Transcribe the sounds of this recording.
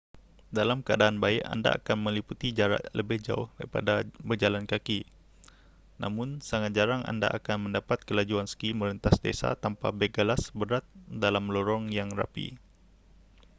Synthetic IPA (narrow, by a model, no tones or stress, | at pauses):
dalamkəa̰daːnbaɪka̰nda̰a̰kanməliput̪id͡ʒaɾa̰ʔləbɪhd͡ʒa̰ʊhdaɾipa̰dabərd͡ʒalankaki | na̰mʊnsaŋat̪̚d͡ʒaɾaŋa̰nda̰ʔakanməndapat̪̚kəlad͡ʒuansə̥kiməɾənt̪asdḛsa̰t̪ampabeɡalasbəɾat̪̚dalamlɔɾɔŋjaŋra̰pḭ